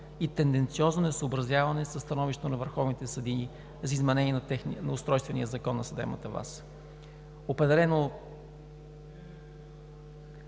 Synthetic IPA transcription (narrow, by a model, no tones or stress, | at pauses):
it̪ɛnd̪ɛnt̪siɔznonɛsəːbɾɐzjavɐnɛsəst̪ɐnɔviʃt̪ət̪onɐvəɾxɔvnit̪ɛsɐd̪ini | zɐizmɛnɛniɛnɛnɐʊst̪ɾɔjst̪vɛnijəzɐkɔnːɐsɐd̪ɛ̰mə̰t̪əva̰s | opɾɛd̪ɛlɛno